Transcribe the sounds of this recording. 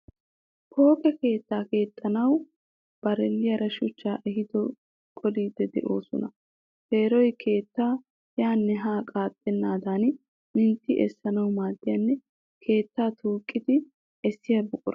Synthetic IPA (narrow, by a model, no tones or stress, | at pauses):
pʰo̞ːkʼɛke̞ːt̪ːaːke̞ːt̪ʼːɐnɐw | b̥ɐɾɛlːɪjɐɾɐʃʊt͡ʃːaːʔɛhɪd̪ɔ | kʼɔliːd̪ɛd̪ɛ̰ʔo̞ːsɔ̰nɐ̰ | fe̞ːɾɔjkʰe̞ːt̪ːaː | jaːnːɛɦaːkʼaːt̪ʼːɛnːaːd̪aːn | mɪnt̪ːɪʔɛsːɐnɐwmaːd̪ːɪjɐnːɛ | kʰe̞ːt̪ːaːt̪ʰuːkʼːɪd̪ɪ | ɛsːɪjɐbʊkʼʊɾ